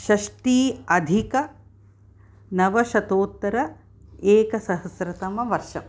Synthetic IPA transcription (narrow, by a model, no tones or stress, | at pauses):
ʃɐʂʈiːɐd̪ʱikɐ | nɐʋɐʃɐt̪oːt̪ːɐɾɐ | eːkɐsɐɦɐsɾɐt̪ɐmɐʋɐɾʃɐ̰m